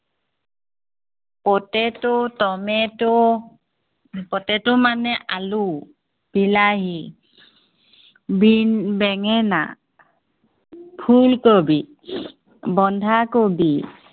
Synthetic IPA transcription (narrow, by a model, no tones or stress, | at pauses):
pɔtɛtotɔmɛtɔ | pɔtɛtʊmanɛʔalu | b̥ilaɦi | binbɛŋɛna̰ | pʰulkobi | bɔndʱakobi